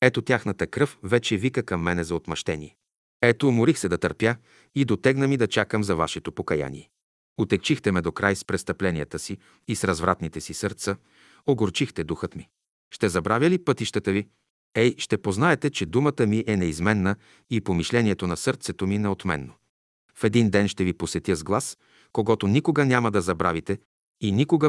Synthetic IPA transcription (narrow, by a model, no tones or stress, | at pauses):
ɛt̪ot̪ʲjaxnət̪əkɾɤfvɛt͡ʃɛvikəkɐmːɛnɛzɐot̪mɐʃt̪ɛnḭɛ | ɛt̪omʊɾixsɛd̪ɐt̪ɐɾpja | id̪ot̪ɛɡnəmid̪ɐt͡ʃakəmzɐva̰ʃɛt̪opokɐja̰nḭɛ | ot̪ɛkt͡ʃixt̪ɛmɛd̪okɾʔajspɾɛst̪ɐplɛnijət̪əsiː | sɾɐzvɾat̪nit̪ɛsisəɾt̪sə | oɡoɾt͡ʃixt̪ɛd̪uxət̪mi | ʃt̪ɛzɐbɾavʲjəlipɤt̪iʃt̪ət̪əvi | ɛjʃt̪ɛpoznaɛt̪ɛt͡ʃɛd̪umət̪əmiʔɛnɛizmɛnːə | ipomiʃlɛniɛt̪onɐsɤɾt̪sɛt̪ominɛot̪mɛ̰nːo | fɛd̪ind̪ɛnʃt̪ɛviposɛt̪ʲjəzɡlˠas | koɡɔt̪onikoɡənʲamɐd̪ɐzɐbɾavit̪ɛ | inikoɡə